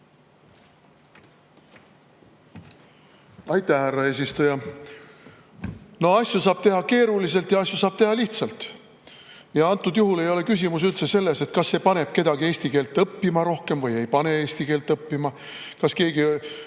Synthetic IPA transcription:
ɑjt̪ˑæhhærːɑe̞ːs̬ist̪ujɑ | no̞ɑsjusɑːb̥t̪e̞ɦɑke̞ːɾulis̬e̞lt̪jɑɑsʲjusɑːb̥̚t̪e̞ɦɑliht̪sɑlt̪ˑ | jɑɑnt̪ːˑud̪̥juɦule̞jo̞lekys̬ʲimus̬ylt̪sese̞lːe̞se̞t̪kɑsːe̞ːpɑne̞b̥̚ke̞d̪ɑɡie̞ːsʲt̪ike̞ːlt̪ːˑɤpːimɑɾo̞hke̞mvɤje̞jpɑne̞e̞ːsʲt̪ike̞ːlt̪ˑːɤpːimɑ | kɑske̞ːɡi

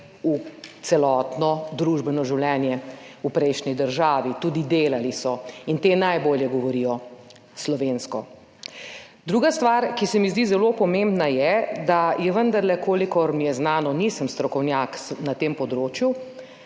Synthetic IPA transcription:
ut̪sɛlɔːt̪nɔd̪ɾuʒbɛnɔʒiwlɛnjɛupɾɛjʃnid̪əɾʒaːʋit̪uːd̪id̪eːlalisɔint̪eːnajboːljɛɡɔʋɔɾijɔ | slɔʋeːnskɔ | d̪ɾuːɡast̪ʋaːɾkisɛmizd̪iːzɛlopɔmembnajɛd̪ajɛʋənd̪ɐɾlɛkoːlikɔɾmijɛznaːnɔnisəmst̪ɾɔkɔwnjaːksnat̪eːmpɔd̪ɾoːt͡ʃju

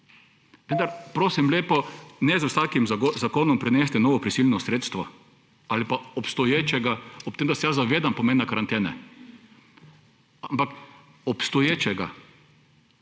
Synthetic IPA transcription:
ʋə̃nd̪aɾpɾoːsimleːpɔnɛzwsaːkimzakoːnɔmpɾɛnɛst̪ɛnɔːʋɔpɾisilʲnɔsɾeːt̪st̪ʋɔ | alipaɔpst̪ɔjeːt͡ʃɛɡaɔp̚t̪eːmd̪asɛjazaʋeːd̪ampɔmeːnːakaɾant̪ɛːnɛ̰ | ampak | ɔpst̪ɔjeːt͡ʃɛɡa̰

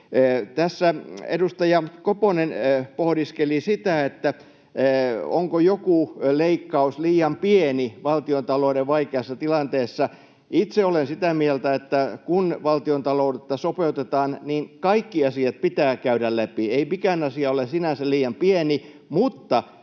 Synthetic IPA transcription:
t̪æsːæḛdust̪ɑjɑkoponenpohdiskelisit̪æet̪ːæ | o̰ŋkojokuleikːɑusliːjɑmpieniʋɑlt̪iont̪ɑloˑideʋʋɑikeɑsːɑt̪ilɑnt̪eːsːɑ | it̪seolensit̪æmielt̪æet̪ːækunʋɑlt̪iont̪ɑloudet̪ːɑsopeut̪et̪ɑːnniːnkɑikːiɑsiɑt̪̚pit̪æːkæyɾællæpieimikænɑsiɑolesinænsæliːjɑmpieni | mut̪ːɑ

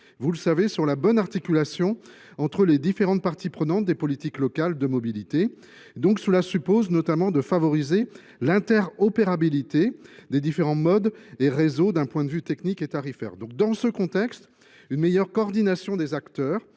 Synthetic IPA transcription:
vuləsavesyʁlabɔnaʁt̪ikʲylasjɔ̃ | ɑ̃t̪χəled̪ifeʁɑ̃t̪̚paʁt̪ipχənɑ̃t̪̚d̪epɔlit̪iklɔkald̪əmɔbilit̪e | d̪ɔ̃ksəlasypoznɔt̪amɑ̃d̪əfavɔʁize | lɛ̃t̪ɛʁɔpeʁabilit̪ed̪ed̪ifeʁɑ̃mɔd̪eʁezod̪ɛ̃pwɛ̃d̪əvyt̪ɛkniket̪aʁifɛ̰ːʁd̪ɔ̃k̚d̪ɑ̃səkɔ̃t̪ɛkst̪ | ynmejœʁkɔːʁd̪inasjɔ̃d̪ezakt̪œːʁ

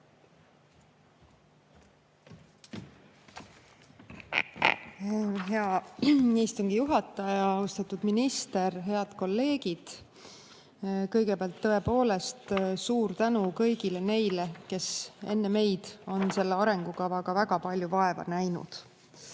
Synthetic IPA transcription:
ɦeɑ | iːst̪uŋɡ̥ijuɦɑt̪ːˑɑjɑɑust̪ɑt̪ːˑud̪minist̪e̞rɦe̞ɑd̪̥ko̞lːe̞ːɡ̥id̪̥ | kɤjɡe̞peɑlt̪ːɤe̞po̞ːle̞st̪suːɾt̪ænukɤjɡile̞ne̞jle̞ke̞se̞̰nːe̞me̞jd̪̥o̞nse̞lːeɑɾe̞ŋɡ̥ukɑvɑkɑvæɡ̥ɑpɑlʲjuvɑe̞vɑ̰næjnṵd̪̥

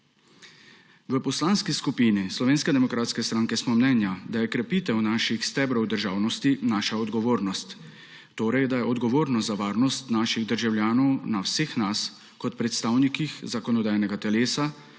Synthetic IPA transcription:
ʋəpɔslaːnskiskupiːnislɔʋeːnskɛd̪ɛmɔkɾaːt̪skɛst̪ɾaːŋkɛsmɔmnɛnjad̪ajɛkɾɛpiːt̪ɛwnaːʃixst̪ɛːbɾɔwd̪əɾʒaːwnɔst̪inaːʃaɔd̪ɡɔʋoːɾnɔst̪ː | oːɾɛjd̪ajɛɔd̪ɡɔʋoːɾnɔzaʋaːɾnɔst̪naːʃiɣd̪əɾʒawljaːnɔwnawseːxnas | kɔt̪̚pɾɛt̪st̪aːwnikixzakɔnɔd̪aːjnɛɡat̪ɛleːsa

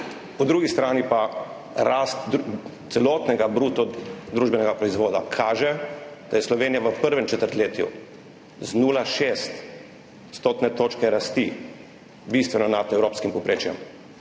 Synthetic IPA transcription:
ud̪ɾuːɡist̪ɾaːnipa | ɾast̪t̪sɛloːt̪nɛɡabɾut̪ɔd̪ɾuːʒbɛnɛɡapɾɔizʋoːd̪a̰kʰaːʒɛd̪̥ajɛslɔʋeːnijaʋəpəɾʋɛmt͡ʃɛt̪əɾt̪leːt̪jṵ | znuːlaʃest̪ | st̪oːt̪nɛt̪oːt͡ʃkɛɾast̪i | bist̪ʋɛnɔnat̪ɛwɾoːpskimpɔpɾeːt͡ʃjɛ̰m

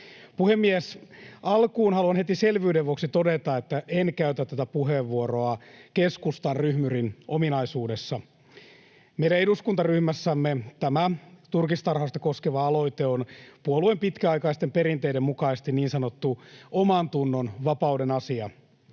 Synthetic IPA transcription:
puhemːiesɑlkuːnɦɑluɑnhet̪iselʋyːdeʋʋuoksit̪o̞det̪ɑet̪ːæʔenkæyt̪æt̪t̪ːæt̪æpuɦeʋːuoɾo̞ɑkeskust̪ɑnryhmyrinʔominɑisuːdesːɑ | meiɾæeduskunt̪ɑryhmæsːæmːet̪æmæt̪urkist̪ɑrhɑst̪ɑko̞skeʋɑɑlo̞it̪eonpuoluempit̪kæɑjkɑist̪empe̞ɾint̪eidemukɑist̪iniːnsɑnot̪ːuomɑnt̪unːonʋɑpɑudenɑsiɑ

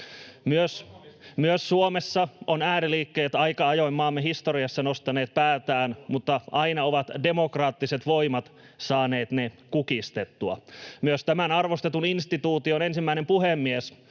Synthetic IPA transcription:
myøsmyøssuomesːɑonæːɾiliːkːeːt̪ɑikɑɑjojmːɑːmːeɦist̪oriɑsːɑnost̪ɑneːt̪̚pæːt̪æːnmut̪ːɑʔɑinɑoʋɑt̪de̞mokrɑːt̪ːiset̪ʋo̞imɑt̪ | sɑːneːt̪nekukist̪et̪ːuɑ̰myøst̪æmænɑrʋost̪et̪uninst̪it̪uːt̪ionensimːæinempuhemːies

